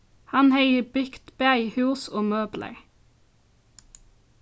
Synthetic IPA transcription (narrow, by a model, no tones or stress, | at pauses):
hɑnheɪəbʏkt̪bæɪhʉːsoːmøːblʔə̰ɹ